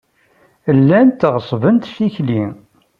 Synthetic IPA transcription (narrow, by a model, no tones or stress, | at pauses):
əlːænt̪ːʁsˤvənt̪siçli